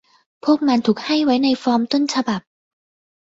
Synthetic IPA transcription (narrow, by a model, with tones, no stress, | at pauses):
pʰu˥˩ək̚ma˧nt̪ʰuː˨˩k̚ha˥˩jwa˦˥jna˧jfɔː˧˥mt̪o˥˩nt͡ɕʰa˧ba˨˩p̚